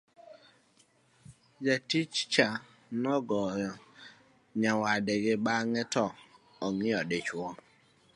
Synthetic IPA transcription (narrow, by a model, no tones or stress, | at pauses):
d͡ʒatit͡ʃt͡ʃa | nɔɡɔ | ɲawadeɡeɓaŋɛtɔ | ɔŋɪɔdet͡ʃwɔ